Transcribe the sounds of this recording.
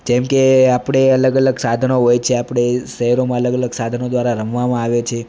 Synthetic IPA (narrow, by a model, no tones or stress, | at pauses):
kɛ̃mkeapɽ̃eələɡələɡsad̪ʱənoɦojt͡ʃʰeapɽ̃eʃəɦəɾomãələɡələɡsad̪ʱənod̪ʋaɾaɾəmʋamãaʋet͡ʃʰe